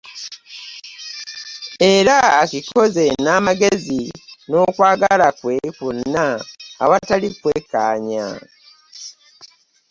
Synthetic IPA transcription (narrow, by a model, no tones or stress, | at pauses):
e̞ɾaːkikʰo̞ze̞naːmaɡe̞zino̞kwaːɡalakwe̞kunːa̰ːβatalikwekaːɲa̰